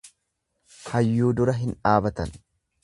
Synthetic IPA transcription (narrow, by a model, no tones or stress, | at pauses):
hɐjːuːd̪ʊɾɐɦɪnᶑaːbɐt̪ɐ̰n